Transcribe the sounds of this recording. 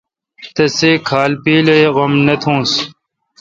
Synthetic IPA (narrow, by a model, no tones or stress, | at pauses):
t̪ɐseːkʰaːlpiːleɣɐmnɐt̪ʰũːs